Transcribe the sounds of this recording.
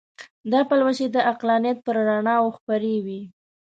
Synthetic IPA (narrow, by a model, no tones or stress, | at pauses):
d̪ɑpalwaʃed̪əʔaqlɑnjat̪̚pəɾɾaɳɑwoxpaɾewi